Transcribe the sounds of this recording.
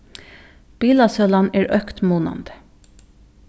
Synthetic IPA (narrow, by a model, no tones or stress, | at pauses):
b̥iːlɑsœlɑneːɹʔœkt̪muːnɑ̰nd̪̥ə̥